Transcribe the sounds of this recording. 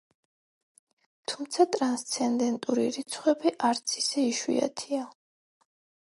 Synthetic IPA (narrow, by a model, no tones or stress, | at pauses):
t̪ʰumt̪sʰat̪ʼɾanst̪sʰɛnd̪ɛnt̪ʼuɾḭɾit̪sʰχwɛbiʔaɾt̪sʰi̥sɛiʃwḭa̰t̪ʰia